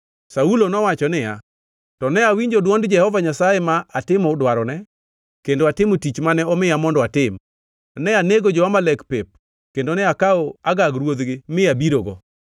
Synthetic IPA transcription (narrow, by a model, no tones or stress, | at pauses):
saulonɔwat͡ʃɔnɪja | tɔnɛawiɲd͡ʒodwɔndd͡ʒɛhɔvaɲasajɛmaatɪmɔʊdwaɾɔnɛ | kendoatɪmotit͡ʃmanɛɔmɪjamɔndɔatɪm | nɛaneɡod͡ʒɔamalɛkpep̚ | kendonɛakaoaɡaɡɾwod̪ɡɪmɪabiɾoɡɔ̰